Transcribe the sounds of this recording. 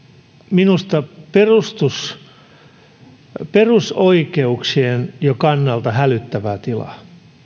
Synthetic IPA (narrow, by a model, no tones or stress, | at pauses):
minust̪ɑperust̪us | perusoikeuksienjokɑnːɑlt̪ɑhælyt̪ːæʋæt̪ilɑ̰